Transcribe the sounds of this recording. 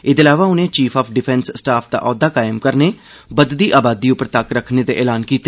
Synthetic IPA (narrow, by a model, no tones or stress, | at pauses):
ɪd̪eːlaːʋaːʊnẽːt͡ʃiːpʰaːpʰɖɪpʰɛnssːʈaːpʰd̪a̰ːʔɔːd̪aːkaːjəmkəɾneː | bəd̪d̪iːʔaːbaːd̪iːʊpəɾt̪əkɾəkʰned̪eʔɛːlaːnkiːt̪ːeː